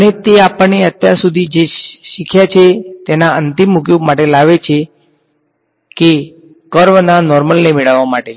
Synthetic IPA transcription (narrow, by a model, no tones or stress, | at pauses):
ənet̪eapəɳːeət̪jaɾsud̪ʱid͡ʒeʃikʰjat͡ʃʰet̪enaənt̪imːukjubmaʈelaʋet͡ʃʰe | ke | kəɾʋnanɔɾməlnemeɭəʋːamaʈe